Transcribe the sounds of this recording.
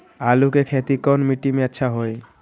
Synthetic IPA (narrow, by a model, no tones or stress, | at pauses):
alukekʰɛt̪ikɔnmiʈimeɛtːʃʰaɦoj